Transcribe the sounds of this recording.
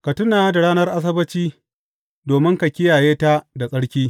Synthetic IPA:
ka˨tʊ˦naː˨˦da˨ɽaː˦nɐ˦rʔa˦s̬ɐ˦bɐ˦t͡ʃiː˦ | doː˨mɪ˦ŋka˨kʲɪ˦jaː˨jeː˦ta˦da˨sʼɐ˦ɽkʲiː˦

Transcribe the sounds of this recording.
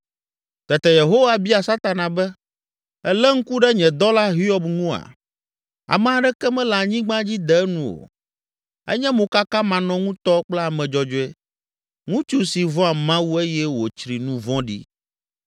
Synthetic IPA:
t̪ɛ˨t̪ɛ˨je˨ɦo˦wa˦bi˦a˨sa˦t̪a˨nã˨bɛ˦ | ɛ˦lɛ˦ŋ̩˦ku˦ɖɛ˦ɲɛ̃˨d̪ɔ˦la˦ɦi˦ɔ˦bŋũ˦a̰˨ | a̰˨mɛ̃˦˨a˨ɖɛ˦kɛ˦mɛ̃˦la˨ɲĩ˦ɡ͡bã˦d͡ʑi˦d̪ɛ˨˦nũ˦o̰˨ | ɛ̰˦ɲɛ̃˦mõ˨ka˦kã˦mã˨nɔ̃˦ŋũ˦t̪ɔ˦k͡plɛ˦a˨mɛ̃˨d͡ʒɔ˦d͡ʒɔ˦ɛ˦ | ŋũ˦t͡ʃu˦si˨vɔ̃˦a˨mã˦wu˦e˦jɛ˦wo˨t͡ʃɾi˨nũ˦vɔ̃˦ɖḭ˦

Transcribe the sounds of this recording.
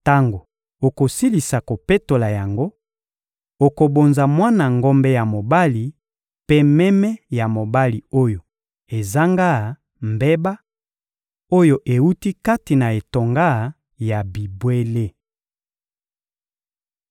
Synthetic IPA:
ta˦ŋɡo˨ | o˨ko˨si˦li˨sa˨ko˨pe˦to˨la˨ja˨ŋɡo˦ | o˨ko˨bo˨nza˨mwa˦na˨ŋɡo˦mbɛ˦ja˨mo˨ba˦li˨ | pe˦mɛ˦mɛ˦ja˨mo˨ba˦li˨o˦jo˨ | e˨za˦ŋɡa˦˨ | mbe˦ba˦ | o˦jo˨ʔe˨wu˦ti˦ka˦ti˨na˨e˨to˨ŋɡa˦˨ | ja˨bi˨bwe˦le˦

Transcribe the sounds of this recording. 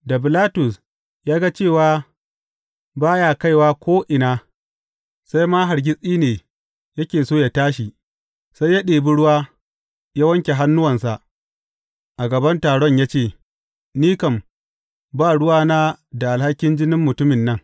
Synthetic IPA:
da˨bɪ˨laː˦tʊ˨s | jaː˦ɡa˦t͡ʃeː˦˨waː˦ | baː˦jaː˨ka˦˨jwaː˦kʷʰoː˦ʔɪ˨naː˦ | sa˦jmaː˦ɦa˨ɾɡʲɪ˦sʼiː˦neː˨ | jɐ˦kʲeː˨soː˦˨ja˨taː˦ʃi˨ | sa˦jːa˦ɗeː˨bi˦ɽʊ˦waː˦ | ja˦wɐ˦ŋkʲe˨ɦa˦nːʊ˦wɐ˨nsa˨ʔ | ʔa˨ɡɐ˨bɐ˦ntaː˨ɽɔ˦ɲjaː˦t͡ʃeː˦˨ | niː˦kɐ˨m | baː˦˨ɽʊ˦waː˦naː˦da˨ʔa˨lha˦kʲːɪ˦nd͡ʒɪ˦nɪ˦mːʊ˨tʊ˦mɪ˨nːɐ˦ŋ

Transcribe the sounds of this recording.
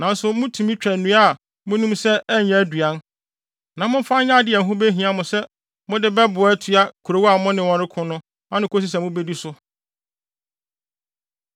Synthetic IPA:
nã˨n̩˦sʊ˨mʊ̃˦tʰũ˨mĩ˦t͡ɕᶣɛ˨nũ˦a˦˨ | mʊ̃˦nũ˦msɛ˦ʔɛ˦ɲɛ̃˦˨dɥa˦n | nã˨mʊ̃˦m̩˦fã˦ɲã˦˨dɪ˦˨ɛ˨ɦʊ̃˦be˦ɦĩ˨ã˦mʊ̃˨sɛ˦ | mʊ̃˦dɪ˦bɛ˦bʊ˨˦tʰu˨a˦kʰu˨ɾo˨˦wa˨mʊ̃˦nɪ̃˨wɔ̃˦ɾɪ˦kʰʊ̃˦nʊ̃˦ | ã˦nɪ̃˨kʰo˦s̬i˦s̬ɛ˨mʊ̃˦be˦di˦sʊ˦

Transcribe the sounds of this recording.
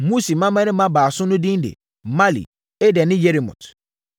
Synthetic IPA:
mu˦si˨mã˦mã˦nɪ̃˦mã˦baː˨sʊ̃˦nʊ̃˦dĩ˦ndḛ˨ | ma˦lḭ˨ | ɛ˦dɛ˨nɪ̃˦je˦ɾi˨mʊ̰̃˨tʰ

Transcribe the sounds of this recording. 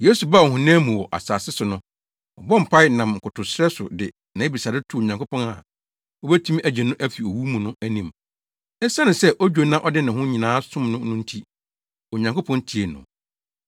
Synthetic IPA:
je˦su˨ba˦˨ɔ˨ɦʊ̃˨nɛ̃ː˦mũ˨wɔ˨ʔa̰˨saː˨sɪ˦sʊ˨nʊ̃˦ | ɔ̰˨bɔ̃˦m̩˨pʰa˦ɪ˦nã˨mŋ̩˨kʊ˨tʰʊ˨sɾɛ˦sʊ̰˨dɪ˨ | nã˨˦e˦bi˨sa˨dɪ˦tʰu˦o˨ɲã˨ŋkʰo˦pʰɔ̃˦na˨ | ɔ˦bæ˦tʰũ˦m˦æ˨d͡ʑɛ˨nʊ̃˦ʔæ˦fi˨o˨wu˦mũ˨nʊ̃˦æ˦nĩ˨m | ɛ˦sa˦nʊ̃˨sɛ˦ʔɔ˦d͡ʑᶣo˨˦nã˦ʔɔ˦dɪ˦nã˨ɦʊ̃˦ɲĩ˨nãː˨˦sʊ̃˦mnʊ̃˦nʊ̃˦n̩˦tʰi˦ | o˨ɲã˨ŋko˦pʰɔ̃˦ntʰi˨e˨nʊ̰̃˨

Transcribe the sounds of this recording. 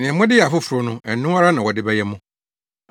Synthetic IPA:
nɪ̃˨ɛ̃˨mʊ̃˦dɪ˦ja˨fʊ˦fʊ˨ɾʊ˦nʊ̃˦ɛ˨nʊ̃˦a˦ɾa˦nã˨wɔ˨dɪ˦bɛ˦jɛ˦mʊ̃˦

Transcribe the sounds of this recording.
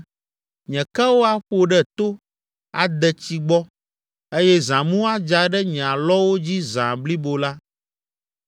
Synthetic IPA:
ɲɛ̃˨kɛ˦wo˦a˦ɸo˨ɖɛ˦t̪o˦ | a˨d̪ɛ˨t͡ɕi˦ɡ͡bɔ˦ | e˦jɛ˦zã˨mũ˦a˦d͡ʒa˨ɖɛ˦ɲ̃˨a˨lɔ˦wo˦d͡ʑi˦zã̰˨bli˦bo˨la˦

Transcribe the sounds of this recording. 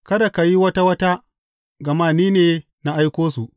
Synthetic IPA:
kɐ˦da˨ka˨ji˦wɐ˦ta˦wɐ˦ta˦ | ɡɐ˨maː˦niː˦neː˨ | na˦ʔa˦jkʷoː˦su˨ʔ

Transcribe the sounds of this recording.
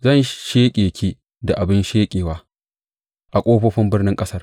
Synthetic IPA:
zɐ˦˨nʃeː˦kʲʼeː˨kʲʰiː˦ | da˨ʔa˨bɪ˦nʃeː˦kʲʼeː˨waː˦ | ʔa˨kʷʼoː˦ɸoː˦ɸɪ˦mbɪ˦rnɪ˦ŋkʼɐ˦sɐ˦r

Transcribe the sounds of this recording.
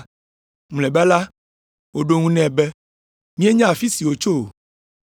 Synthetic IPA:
m˨lɛ˨bɛ˦la˦ | wo˨ɖo˨ŋũ˦nɛ̃˨bɛ˦ | mĩ˦e˦ɲã˦a˨fi˦si˨wo˨t͡ʃo˦o˨

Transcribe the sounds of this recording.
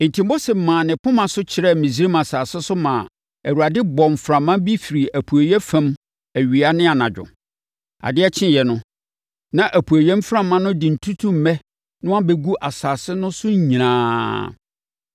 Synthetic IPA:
n̩˨tʰi˨mo˦sɛ˨mãː˨nɪ̃˨pʊ̃˦mã˨sʊ˦t͡ɕʰɪ˨ɾɛ˦˨mĩ˨si˦ɾi˦mã˨saː˨sɪ˦sʊ˦mã̰ː˨ | æ˨wu˨ɾa˨dɪ˦bɔ̃˨m˨fɾã˨mã˦bi˦fi˨ɾi˨ʔæ˨pʰu˨æ˨ɥɛ˦fã˦m | æ˨ɥi˨a˦nɪ̃˦a˨nã˨d͡ʑᶣʊ̰˨ | a̰˨dɪ˦ɛ˦t͡ɕʰɪ̃˦jɛ˨nʊ̃˦ | nã˨ʔæ˨pʰu˨æ˨ɥɛ̃˦m˦fɾã˨mːã˦nʊ̃˦dɪ˨n̩˨tʰu˦tʰu˦m̩˨mɛ̃˦ | nʊ̃˦a˦bɛ˨ɡu˦ʔa˨saː˨sɪ˦nʊ̃˦sʊ˦ɲ̩˦ɲĩ˨nãː˦

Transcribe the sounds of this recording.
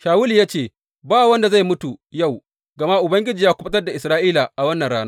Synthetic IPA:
ʃaː˨wʊ˦li˨ja˦t͡ʃeː˨ | baː˦wa˨wɐ˦nda˨za˦˨jmʊ˦tu˨ja˦˨w | ɡɐ˨ma˦ʔʊ˨bɐ˦ŋɡʲɪ˦d͡ʒiː˨jaː˦kʷʊ˦ɐ˦tɐ˦rda˨ʔɪ˨sɾaː˦ʔiː˦la˨ʔa˨wɐ˦nːɐ˨nɽaː˦naː˦

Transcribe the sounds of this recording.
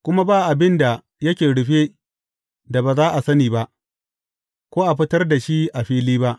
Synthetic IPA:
kʷʊ˦ma˦baː˦ʔa˨bɪ˦nda˨ | jɐ˦kʲeː˨ɽʊ˨ɸe˦ | da˨baː˨zaː˦ʔa˨sɐ˦niː˨ba˦ʔ | kʷoː˦ʔa˨ɸɪ˦tɐ˦rda˨ʃi˦ʔa˨ɸiː˦liː˦ba˦ʔ

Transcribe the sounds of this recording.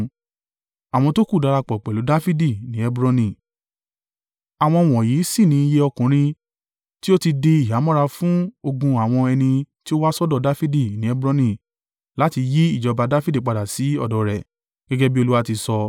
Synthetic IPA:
a˨w̃ɔ̃˧to˦ku˦˨da˨˧ɾa˧k͡pɔ˨k͡pɛ˨lu˨˦da˦fi˦di˦˨nĩ˨˦ɛ˦bɾɔ̃˧nĩ˦˨ | a˨w̃ɔ̃˧˨w̃ɔ̃˨ji˨˦si˦˨nĩ˨˦i˧je˧˦ɔ˧kũ˨ɾ̃ĩ˧ | ti˦o˦ti˧de˧i˨ɦa˨˦mɔ̃˦ɾa˧fũ˦o˧ɡũ˧a˨w̃ɔ̃˧ɛ˧nĩ˧ti˦o˦wa˦sɔ˦dɔ˦˧da˦fi˦di˦˨nĩ˨˦ɛ˦bɾɔ˧nĩ˨ | la˨˦ti˧ji˦i˦˨d͡ʒɔ˧ba˧da˦fi˦di˦˨k͡pa˨da˨si˨˦ɔ̰˦˨dɔ˨ɾɛ˨ | ɡ̥ɛ˦ɡɛ˦bi˦o˧lu˦wa˦ti˧sɔ˧

